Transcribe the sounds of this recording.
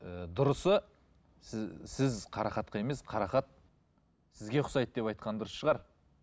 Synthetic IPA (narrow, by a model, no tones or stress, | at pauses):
əd̪ʊɾəsə | sɪzqʰɑɾɑχɑt̪qɑe̞me̞sqʰɑɾɑχɑt̪̚ | sɪzɡʲe̞qʰʊ̥sɑjt̪̚d̪e̞pɑjt̪qɑnd̪ʊɾəsʃəʁɑɾ